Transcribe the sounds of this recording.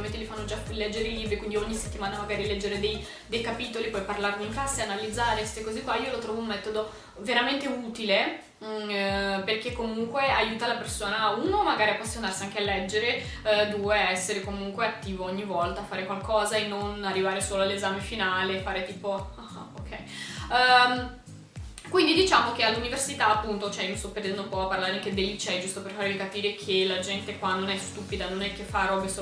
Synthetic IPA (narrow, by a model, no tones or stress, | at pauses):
ment̪̬elifanːod͡ʒaklɛd͡ʒːeɾeiliːbɾikwind̪ioɲːise̥t̪ːimaːnamaɡaːɾilɛd͡ʒːeɾed̪ej | d̪ejkapiːt̪olipɔjparlarmiiŋkaseanalːid̪zːaːɾeest̪ekɔzikːwaiːolot̪ɾɔːvounmːɛt̪od̪o | veɾament̪euːt̪ile | perkekːomuŋkweajuːt̪alapersoːnauːnomaɡaːɾiapːasːjonarsiaŋkealːɛd͡ʒːeɾe | d̪uːeɛsːeɾekomuŋkweat̪ːiːvoɔɲːivɔlt̪aːfaːɾekwalkʰɔːzaenːonarːivaːɾesoːloalːezaːmefinaːlefaːɾet̪iːpoaaokʰːɛj | kwind̪id̪it͡ʃaːmok̟ealːuniversit̪aːpːunt̪ot͡ʃoɛiomist̪ɔpːerd̪ɛnd̪ompwɔapːarlaːɾeaŋked̪elːit͡ʃɛd͡ʒust̪operfaːɾevikapiːɾekʰelad͡ʒɛnt̪ekwanonɛst̪upid̪anonɛkːefːaɾɔbeso